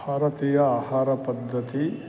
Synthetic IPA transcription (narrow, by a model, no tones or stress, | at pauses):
aːɾɐt̪iːjɐaːhaːɾɐpɐd̪ʱːɐt̪i